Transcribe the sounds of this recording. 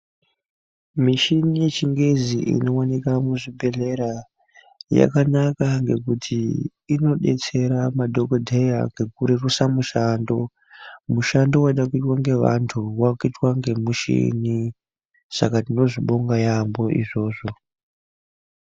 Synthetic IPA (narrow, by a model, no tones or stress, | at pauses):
miʃinije̞t͡ʃiŋɡeziʔḭno̞wanikamuʐibʱe̞ɮe̞ɾa | ja̰kanakaŋɡe̞kutʰiː | no̞ɗe̞̰t͡se̞ɾamadʱo̞kodʱejaŋɡe̞kuɾerusamuʃando̞ | muʃando̞waiɗakuitwaŋɡe̞ʋa̰ntʰuwakuitwaŋɡe̞muʃḭni | sa̰katino̞ʐiɓo̞ŋɡajambo̞ʔḭʐo̞ːʐo̞